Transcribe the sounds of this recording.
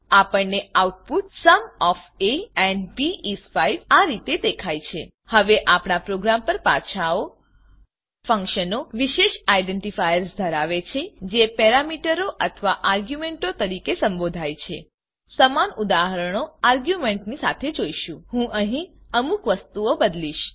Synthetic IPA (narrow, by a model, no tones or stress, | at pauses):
apəɳnːeauʈ̚puʈsəmɔfeɛ̃ɳɖbiisfaiʋaɾit̪ed̪ekʰajt͡ʃʰḛ | həʋeʔapɳ̃apɾoɡɾampəɾpa̰t͡ʃʰao | fə̃ŋkʃənoʋiʃeʃaiɖeɳʈifajəɾsd̪ʱəɾaʋet͡ʃʰed͡ʒepɛɾamiʈəɾoʔət̪ʰʋaʔaɾɡjumeɳʈot̪əɾikesəmbod̪ʱajt͡ʃʰḛ | səmanud̪aɦəɾəɳ̃oaɾɡjumeɳʈnisa̰t̪ʰed͡ʒoiʃũɦũʔəɦĩəmukʋəst̪uobəd̪liʃ